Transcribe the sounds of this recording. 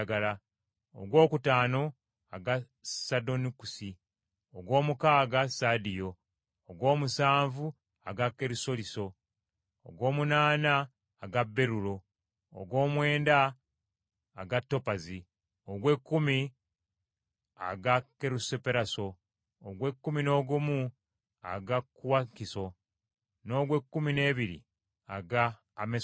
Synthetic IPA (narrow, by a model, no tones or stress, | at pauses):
ɡala | o̰ɡwo̞ːkutaːno̞ | aɡa | sado̞niku̥si | oɡwo̞ːmukaːɡasadijo̞ː | ɡwo̞ːmusaːɱvu | a̰ɡakːeɾiso̞liso̞ | o̰ɡwo̞ːmunaːnaː | ɡabːe̞ɾulo̞̰ː | ɡwo̞ːmwe̞ːnda | ɡatːo̞pazi | oɡwe̞kːumi | a̰ɡakːe̞ɾusepeɾaso̞ː | ɡwe̞kːumino̞ːɡumu | a̰ɡakːuwakiso̞ | no̞ːɡwe̞kːumine̞ːβiɾḭ | aɡaː | me